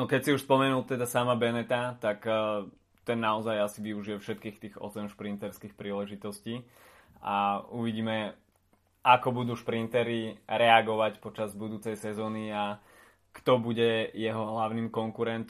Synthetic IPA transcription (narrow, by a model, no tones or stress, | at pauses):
nɔkɛcsiuʃspɔmɛnult̪ɛd̪asamabɛnɛt̪at̪ak | t̪ɛnːaɔzajasiʋiuʒiɛfʃɛt̪kiːxt̪iːɣɔ̰sɛmʃpɾint̪ɛɾskiːxpɾiːlɛʒit̪ɔsciː | auʋiɟiːmɛ | akɔbud̪uʃpɾint̪ɛɾiɾɛaɡɔʋacpɔt͡ʃazbud̪uːt͡sɛjsɛzɔːnia | kt̪ɔbuɟɛjɛɦɔɦlaʊniːmkɔŋkuɾɛnt̪